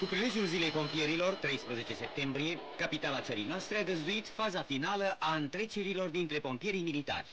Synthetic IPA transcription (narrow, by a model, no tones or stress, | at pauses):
kupɾile̞d͡ʒjulzile̞jpo̞mpije̞ɾilo̞rt̪ɾe̞jspɾəze̞t͡ʃe̞se̞p̚t̪e̞mbɾie̞kapit̪alat̪səɾḭjnoast̪ɾeaɡ̪əzd̪uit̪fazafinaləʔaɨnt̪ɾe̞t͡ʃeɾilo̞rd̪int̪ɾe̞po̞mpije̞ɾijmilit̪a̰rʲ